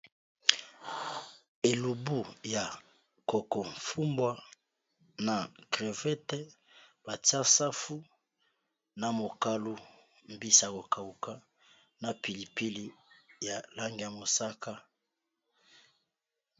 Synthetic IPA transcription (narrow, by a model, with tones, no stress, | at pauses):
e˨lu˨bu˦ja˨ | ko˨kɔ˨mfu˦mbwa˦ | na˨kʁe˨vɛ˦tɛ˦ | ba˨ta˦sa˦fu˦ | na˨mo˨ka˦lu˦ | mbi˦sa˨ko˨ka˨u˨ka˦ | na˨pi˨li˨pi˦li˦ja˨la˦ŋɡi˨ja˨mo˨sa˦ka˦